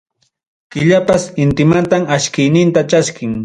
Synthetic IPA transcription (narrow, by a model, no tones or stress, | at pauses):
kɪʎapasɪnt̪ɪmant̪amaʃkɪjnɪnt̪at͡ʃaskɪŋ